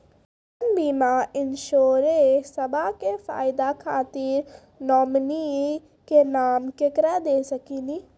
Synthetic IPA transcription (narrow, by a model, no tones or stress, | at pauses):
ənbiːmaːʔɪnʃoːɾesəbakefa̰ːɪd̪akʰaːt̪iːɾ | nɔːmni | kenaːmkɪkɾad̪eːsəkiːniː